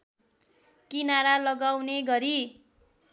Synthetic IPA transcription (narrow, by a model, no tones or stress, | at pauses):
kinaɾalʌɡawneɡʌɾi